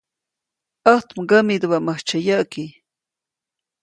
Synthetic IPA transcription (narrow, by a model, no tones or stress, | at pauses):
ʔəht̪mɡəmid̪waʔməht͡ʃəjəʔki